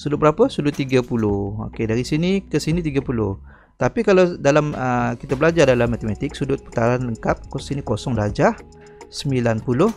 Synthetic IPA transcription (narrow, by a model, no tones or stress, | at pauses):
sudʊt̚bəɾapəsudʊt̪ːiɡapulʊho̰kedaɾisinikəsinit̪̬iɡapulʊh | t̪apikalawdalaməkit̪abəlad͡ʒadalamːat̪emat̪ɪk̚sudʊt̪̚pu̥t̪aɾanləŋkap̚kɔsinikosɔŋdad͡ʒah | səmbilanpulʊh